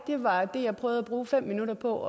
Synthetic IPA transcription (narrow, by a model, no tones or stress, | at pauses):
d̥e̝ʋɑ̈d̥e̝jɑ̈ɪpʰʁœːðˠæb̥ʁuːfem̰minuɾɐpʰɒ̽ɒ